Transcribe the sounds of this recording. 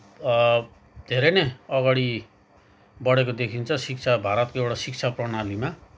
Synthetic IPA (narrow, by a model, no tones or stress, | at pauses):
d̪ʱeɾʌneʌɡaɽi | bʌɽekod̪ekʰint͡sʰʌsik̚t͡sʰabʱaɾʌt̪̚koewɽasik̚t͡sʰaprʌnalima